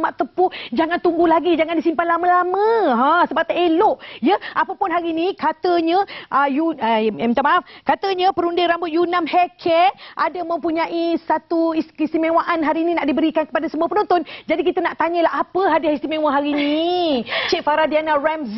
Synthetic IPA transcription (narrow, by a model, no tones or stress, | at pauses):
maʔt̪əpud͡ʒaŋant̪uŋɡulaɡid͡ʒaŋandisimpanlaməlamə̃ɦãsəbap̚t̪aelʊʔjəapəpʊnɦaɾinikat̪əɲəʔəjumt̪amaafkat̪əɲəpəɾundɪɾambʊt̪̚junamhɛkʰɛʔadəmə̃mpuɲãʔisat̪uisist̪imẽwaʔanɦaɾiːninaʔdibəɾikankə̥padasəmuapənont̪ʊnd͡ʒadikit̪ənaʔt̪aɲəlaɦapəɦadɪist̪imẽwaɦaɾini | t͡ʃeʔ̚faɾadianarams